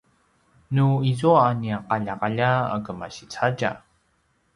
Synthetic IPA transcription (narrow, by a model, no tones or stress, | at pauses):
nuizuaːniaqaʎaqaʎaa̰ɡəmaɕit͡saɟa̰